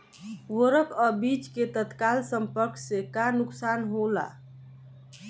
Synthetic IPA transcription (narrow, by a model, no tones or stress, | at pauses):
wəɾəkəbit͡ʃket̪ət̪kalsəmpəɾksekanuksanɦola̰